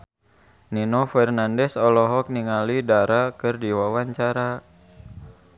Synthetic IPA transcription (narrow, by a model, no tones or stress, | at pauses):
ninɔfɛrnandɛsɔlɔɦɔk̚niŋalidaɾakɨrdiwawaɲt͡ʃaɾa